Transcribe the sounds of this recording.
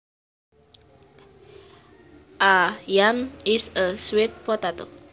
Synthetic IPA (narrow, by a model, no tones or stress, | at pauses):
ʔajamisəswet̪̚pɔt̪at̪o̰